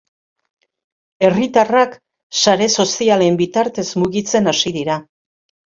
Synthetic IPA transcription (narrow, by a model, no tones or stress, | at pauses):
e̞rit̪arak | saɾe̞so̞siale̞mbit̪aɾt̪e̞zmuɣit͡se̞nasiðiɾa